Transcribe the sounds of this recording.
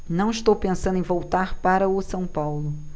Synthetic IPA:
nɐ̃w̃iʃt̪owpẽsɐ̃d̪ʊẽvowt̪aɾpaɾɐʊsɐ̃w̃pawlʊ

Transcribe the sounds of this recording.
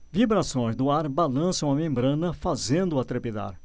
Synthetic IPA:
vibɾasõj̃zd̪ʊaɾbalɐ̃sɐ̃w̃ɐmẽmbɾɐ̃nɐfazẽnd̪ʊɐt̪ɾepid̪a̰ɾ

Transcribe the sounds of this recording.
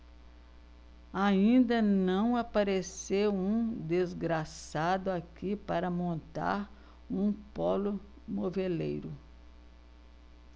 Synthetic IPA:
aĩnd̪ɐnɐ̃w̃apaɾesewũd̪ezɡɾasad̪ʊakipaɾɐmõnt̪a̰ɾ | ũpɔlʊ | movelḛjɾʊ

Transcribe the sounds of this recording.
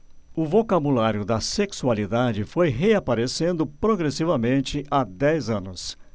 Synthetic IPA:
ʊvokabulaɾjʊd̪ɐseksualid̪ad͡ʒɪfojɦeapaɾesẽnd̪ʊpɾoɡɾesivɐmẽnt͡ʃɪʔad̪ɛjzɐ̃nʊs

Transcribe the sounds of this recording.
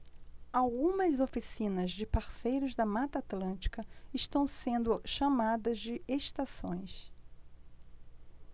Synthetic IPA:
awɡũmɐzofisĩnɐzd͡ʒɪpaɾsejɾʊzd̪ɐmat̪at̪lɐ̃nt͡ʃi̥kɐɪʃt̪ɐ̃w̃sẽnd̪ʊʃamad̪ɐzd͡ʒɪeʃt̪asõj̃s

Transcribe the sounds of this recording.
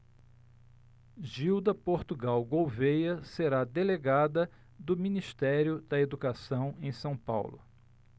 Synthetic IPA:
ʒiwd̪ɐpoɾt̪uɡawɡowvejɐseɾad̪eleɡad̪ɐ | d̪ʊmĩniʃt̪ɛɾjʊd̪̥ɐed̪ukasɐ̃w̃ẽj̃sɐ̃w̃pa̰wlʊ̰

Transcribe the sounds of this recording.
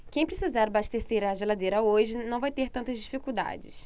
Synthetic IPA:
kẽj̃pɾesizaɾbaʃt̪eɾsejɾɐːʒelad̪ejɾɐoʒɪnɐ̃w̃vajt̪eɾt̪ɐ̃t̪ɐzd͡ʒifikuwd̪a̰d͡ʒɪ̰s

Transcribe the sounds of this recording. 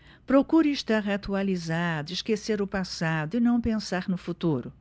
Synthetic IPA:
pɾokuɾɪiʃt̪aɾɦat̪ualizad̪ʊɪʃkeseɾʊpasad̪ʊɪnɐ̃w̃pẽsaɾnʊfut̪uɾʊ

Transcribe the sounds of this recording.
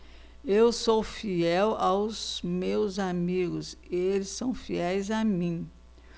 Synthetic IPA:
ewsofiɛwawzmewzamiɡʊselɪsːɐ̃w̃fiɛjzamĩ

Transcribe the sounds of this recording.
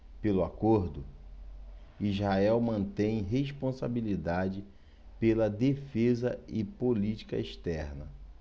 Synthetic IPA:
pelʊakoɾd̪ʊ | izhaɛwmɐ̃nt̪ẽj̃ɦeʃpõsa̰bilid̪ad͡ʒɪ | pelɐd̪efezɐɪpolit͡ʃi̥kɐ̰eʃt̪ɛɾnɐ

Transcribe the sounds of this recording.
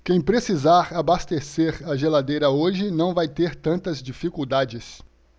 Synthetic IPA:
kẽj̃pɾesizaɾabast̪eseɾɐʒelad̪ejɾɐoʒɪnɐ̃w̃vajt̪eɾt̪ɐ̃nt̪ɐzd͡ʒifikuwd̪ad͡ʒɪs

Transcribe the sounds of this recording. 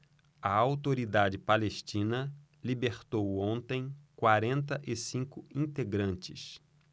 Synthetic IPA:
ɐawt̪oɾid̪ad͡ʒɪpaleʃt͡ʃĩnɐ | libeɾt̪owõnt̪ẽj̃kwaɾẽnt̪ɐʔɪsĩŋkʊĩnt̪eɡɾɐ̃nt͡ʃɪs

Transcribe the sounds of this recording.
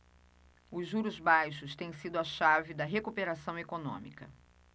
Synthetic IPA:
ʊzʒːuɾʊzbajʃʊst̪ẽj̃sid̪ʊɐʃavɪd̪ɐɦekupeɾasɐ̃w̃ekonõ̰mḭkɐ

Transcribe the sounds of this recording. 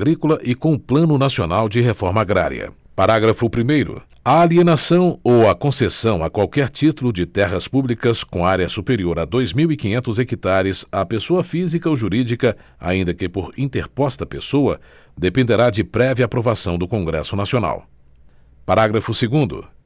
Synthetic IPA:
ɡɾikʊlɐʔɪkõʊplɐ̃nʊnasionawd͡ʒɪɦefɔɾmɐaɡɾa̰ɾḭɐ̰ | paɾaɡɾɐfʊpɾimejɾʊ̰ | aːlienasɐ̃w̃owɐkõsesɐ̃w̃ɐkwawkɛɾt͡ʃit̪ulʊd͡ʒɪt̪ɛɦɐspublikɐskõaɾjɐsupeɾioɾad̪ojzmiwikĩɲẽnt̪ʊzekit̪aɾɪzapesoɐfizikɐoʒuɾid͡ʒikɐ | a̰ĩnd̪ɐkɪpoɾĩnt̪eɾpɔst̪ɐpesowɐ | d̪epẽnd̪eɾad͡ʒɪpɾɛviɐaːpɾovasɐ̃w̃d̪ʊkõŋɡɾɛ̰sʊnasiona̰w | paɾaɡɾɐfʊseɡũnd̪ʊ̰

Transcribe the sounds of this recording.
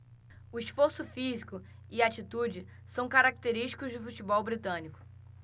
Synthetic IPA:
ʊisfoɾsʊfizikʊ | ɪat͡ʃit̪ud͡ʒɪ | sɐ̃w̃kaɾak̚t̪eɾiʃt͡ʃi̥kʊʒd͡ʒɪfut͡ʃibɔwbɾit̪ɐ̃nikʊ̥

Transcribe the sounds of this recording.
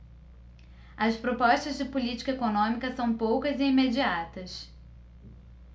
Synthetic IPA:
ɐspɾopɔʃt̪ɐzd͡ʒɪpulit͡ʃi̥kɐekonõmikɐsɐ̃w̃powkɐzɪimed͡ʒiat̪ɐs

